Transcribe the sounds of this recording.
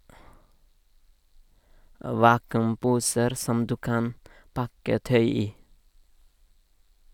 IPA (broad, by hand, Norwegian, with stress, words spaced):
ˈʋɑːkʉmˌpuːsəɾ ˈsɔm ˈdʉː ˈkɑn ˈpɑkə ˈtœʏ ˈiː